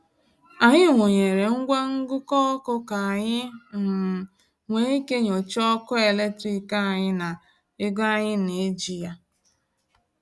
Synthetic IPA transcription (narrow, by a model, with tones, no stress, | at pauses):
a˨ɲɪ˦˨ŋʷo˨ɲe˨ɾe˨ŋ̩˦ɡʷa˦ŋ̩˦ɡʊ˦kɔ˦kʊ˦ka˨a˨ɲɪ˦ŋ̩˨ | ŋʷe˨˦i˦ke˦ɲo˨t͡ʃɔ˦kʊ˦e˨le˦tɾi˦ka˦a˨ɲɪ˦na˨ | ɪ˦ɡa˦ɲɪ˦ne˨e˦d͡ʒi˨ja˦